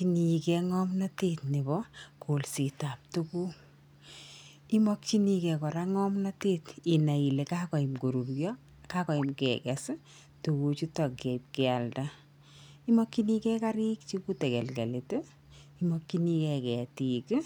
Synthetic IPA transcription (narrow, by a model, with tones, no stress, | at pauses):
t͡ʃi˨nikɛ˨ŋɔmna˦tetne˨bɔ˦kʰo˨lsita˨p̚tuku˦ | i˦mɔ˦kt͡ʃi˦ni˦kɛ˨kɔ˨ɾa˦ŋɔ˦mna˦teː˦ti˨na˨i˨le˨ka˦kɔ˨i˨mko˨ɾu˨ɾjɔ˦ | ka˦kɔ˨i˨mkɛ̰kɛs | tu˨ku˨t͡ʃu˦tɔ˨kːɛ˨ip̚kɛa˨lda˦ | i˦mɔ˦kːini˦kɛ˦ka˦ɾi˦k̚t͡ʃiku˦tɛ˨kɛ˨lkḛ˨lete˦ | i˦mɔ˦kːi˦ni˦kɛ˨kɛ˨tiː˨k